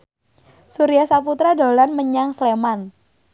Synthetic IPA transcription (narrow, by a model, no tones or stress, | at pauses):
suɾiahsaput̪ɾado̤lanməɲaŋsleman